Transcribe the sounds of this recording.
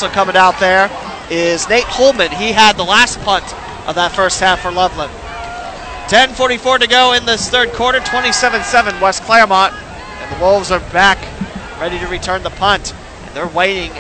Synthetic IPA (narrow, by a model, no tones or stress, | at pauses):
soʊkʰʌmɪ̃ŋaʊt̪̚ðə˞ | ɪznẽɪt̚hoʊlˠmɨ̃niəd̪̚ðəlæs̚pʰʌ̃nt | ʔʌ̰vðətfɜ˞st̚hæfə˞lʌvlə̃n | tʰɛ̃nfɔɹɾifɔɹɾɨɡoʊɨ̃nðɨθɜ˞d̚kʰɔɹɾnə˞tʰw̥ɛ̃ɾ̃isɛvɨ̃nsɛvɨ̃nwɛskʰl̥ɛɹmɑɾ | ɨ̃nðəwovzə˞bæk | ɹɛɾiɾɨɹitʰɜ̃˞nðəpʰʌ̃nt | ʔɨ̰̃nðə˞weɪɾɪ̃ŋ